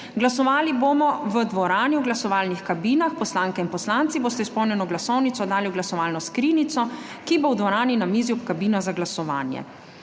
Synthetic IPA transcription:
ɡlasɔʋaːliboːmɔʋəd̪ʋɔɾaːniwɡlasɔʋaːlnixkabiːnaxpɔslaːŋkɛinpɔslant̪siboːst̪ɛispɔwnjɛnɔɡlasɔwnit̪sɔd̪aːliuɡlasɔʋaːlnɔskɾiːnit̪sɔ | kibowd̪ʋɔɾaːninamiːzuɔpkabiːnɔzaɡlasɔʋa̰ːnjɛ̰

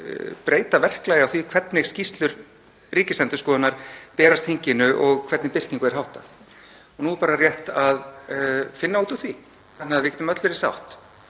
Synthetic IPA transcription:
pɾeːjt̪avɛr̥klajawθvikʰvɛt̪nɪɣscist̪lʏɾ | riːcɪslɛnt̪ʏ̥skɔːðanaɾ̥pɛːɾast̪ʰiŋcɪnʏʔɔɣkʰvɛt̪nɪpɪr̥tniŋkʏɛɾ̥hawht̪a̰θ | ɔnuːpaːɾarjɛht̪að | fɪnːauːt̪uθvi | θanːɪaðvɪɾcʲɛːt̪ʏmœt̪lʏɾɪsa̰wht̪

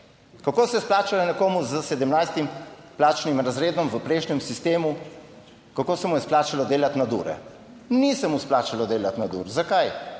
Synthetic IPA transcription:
kakoːsɛɛsplaːt͡ʃalanɛkoːmuzəsɛd̪əmnajst̪implaːt͡ʃnimɾazɾeːd̪ɔmʋəpɾɛjʃnɛmsist̪eːmu | kakoːsɛmujɛsplaːt͡ʃalɔd̪eːlat̪nad̪ṵːɾɛ̰ | nisɛmusplaːt͡ʃalɔd̪eːlat̪nad̪ṵːɾzakaj

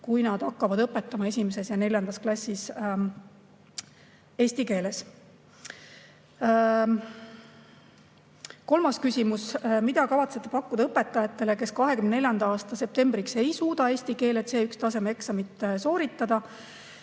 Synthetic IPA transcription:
kujnɑd̪̥ɑkːɑvɑd̪̥ɤpːˑe̞t̪ːˑɑmɑe̞s̬ʲimese̞sjɑne̞lʲjɑnd̪̥ɑsklɑsʲːis | e̞ːsʲt̪ike̞ːle̞s | ko̞lmɑskysʲimusmid̪ɑkɑvɑt̪se̞t̪ːˑepɑkːud̪̥ɑɤpːˑe̞t̪ːˑɑjɑt̪ːe̞leke̞skɑɦekymnneljɑnd̪̥ɑɑːst̪ɑse̞p̚t̪e̞mb̥ɾikse̞jsuːd̪̥ɑe̞ːsʲt̪ike̞ːlet̪seːykst̪ɑse̞meksɑmit̪ːˑeso̞ːɾit̪ːˑɑd̪̥ɑ

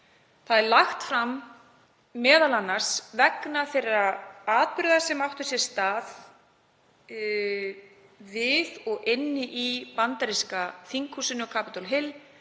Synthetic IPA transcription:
θaðɛɾlaxt̪fɾamː | ɛːðalanːaɾ̥svɛknaθejraaːðpɾʏðasɛmawht̪ʏ̥sjɛɾ̥st̪aːð | vɪðɔɣɪnːɪʔipant̪aɾiskaθiŋkʰusɪnʏɔkʰaːpɪt̪ɔlɦɪl

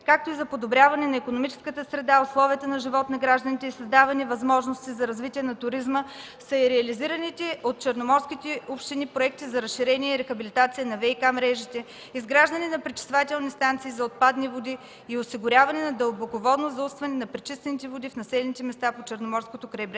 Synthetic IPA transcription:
kak̚t̪oizɐpod̪obɾʲavɐnɛnɐikonomit͡ʃɛ̥skət̪əsɾɛd̪aoslˠɔviət̪ənɐʒivɔt̪nɐɡɾaʒd̪ənit̪ɛisɐzd̪avɐnivɐzmɔʒnost̪izɐɾɐzvit̪ʲiɛnɐt̪ʊɾizmə | sɐiɾɛɐliziɾənit̪ɛot̪̚t͡ʃɛɾnomɔɾskʲit̪ɛupʃt̪inipɾoɛk̚t̪izɐɾɐsʃiɾɛniɛiɾɛxɐbilʲit̪at̪siənɐvɛikamɾɛʒit̪ɛ | izɡɾaʒd̪əninɐpɾɛt͡ʃi̥svat̪ʲɛlˠnist̪ant̪siːzɐot̪̚pad̪nivod̪iː | osiɡʊɾʲjavɐnɛnɐd̪əlˠbokovɔd̪nozzust̪vɐnɛnɐpɾɛt͡ʃist̪vɛnit̪ɛvod̪ifnɐsɛlɛnit̪ɛmɛst̪apot͡ʃɛɾnomɔɾskot̪okɾɛbɾɛ

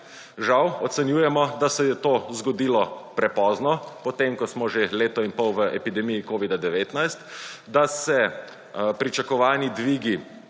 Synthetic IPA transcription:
ʒawɔt̪sɛnjuːjɛmɔd̪asɛjɛt̪oːzɡɔd̪iːlɔpɾɛpɔːznɔpɔt̪emkɔsmɔʒeleːt̪ɔinpɔwʋəʔɛpid̪ɛmijikoːʋid̪ad̪ɛʋeːt̪najst̪d̪asɛ | pɾit͡ʃakɔʋaːnid̪ʋiːɡi

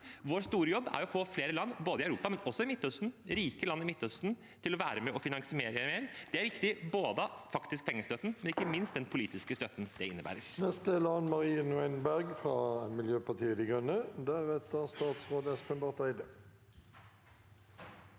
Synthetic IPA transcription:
ʋoːɾst̪uːɾəjɔbːæ̰ɾɔfoːfleːɾəlɑnːboːd̪əɪœʉɾuːpɑmɛnɔsːɔɪmɪt̪ːœst̪n̩ɾiːkəlɑnːɪmɪt̪ːœst̪n̩ | t̪ʰɪlɔʋæːɾəmɛɔfɪnɑŋsɪmeːɾəæmeːɾd̪̥ɛæɾʋɪkt̪ɪboːd̪əfɑkt̪ɪsk̚pʰɛŋːəst̪œt̪n̩mɛnɪkːəmɪnst̪̚d̪ɛnpʰʊliːt̪ɪskəst̪œt̪ːnd̪ɛɪnːəbæ̰ːɾəɾnɛst̪̚d̪əlɑnmɑʁiːənʉɛɪnbæʁɡfʁɑːmɪljøːpɑʁt̪ʰiːəd̪ɪɡʁœnːəd̪æʁeːt̪əʁst̪ɑːt̪sʁoːd̪əspʰɛmbɑʁt̪æɪd̪ə

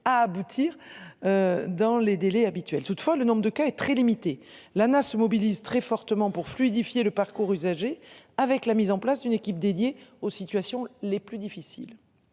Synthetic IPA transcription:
aːbut̪ʰiʁød̪ɑ̃led̪elɛabit̪ɥɛlt̪ut̪fwalənɔ̃bʁəd̪əkaɛt̪χɛlimit̪elanasəmɔbilizt̪χɛfɔʁt̪əmɑ̃puʁflyid̪ifjeləpaʁkuʁyzaʒeavɛklamizɑ̃plasd̪ynekʲip̚d̪ed̪jeosit̪ɥasjɔ̃leplyd̪ifisḭl

